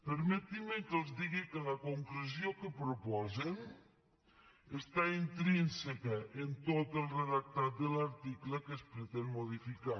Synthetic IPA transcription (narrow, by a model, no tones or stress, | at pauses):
pəɾmet̪imeŋkəlˠzd̪iɣikələkoŋkluzjokəpɾopɔzen | est̪aint̪ɾinsekəʔent̪ot̪əlˠreðak̚t̪at̪̚d̪əlaɾt̪ikləkəspɾət̪enmoð̞ifika